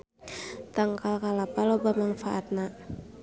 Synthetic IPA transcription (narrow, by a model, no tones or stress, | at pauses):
t̪aŋkalkalapalobamanfaʔat̪̚na